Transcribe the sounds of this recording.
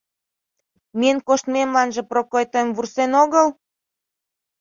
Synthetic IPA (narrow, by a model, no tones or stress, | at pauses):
meənkoʃt̪memlɑnʒĕprokojt̪omvursenoɣəl